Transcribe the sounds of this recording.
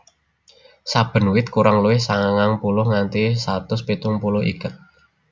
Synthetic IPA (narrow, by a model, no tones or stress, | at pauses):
sab̥ə̤nwɪt̪̚kuɾaŋluwɪhsaŋaŋaŋpulʊhŋant̪isat̪ʊspit̪ʊŋpulʊhḭɡ̥ə̤t̪̚